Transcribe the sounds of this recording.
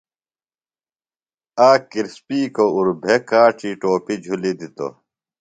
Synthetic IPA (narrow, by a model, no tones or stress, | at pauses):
aːkiɾspiːkouɾbʱekaːʈiʈoːpid͡ʑʱulid̪it̪o̰